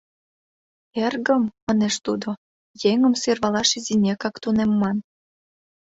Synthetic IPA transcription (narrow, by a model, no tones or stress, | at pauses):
erɣə̆mːəneʃt̪ud̪o | jeŋə̆mserβɑlɑʃizinʲekɑkt̪unemːɑn